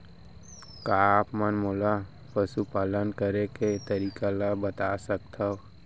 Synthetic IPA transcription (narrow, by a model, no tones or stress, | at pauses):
kapmənmola | pəsupaːlənkəɾeket̪əɾiːkalabət̪asək̚t̪ʰao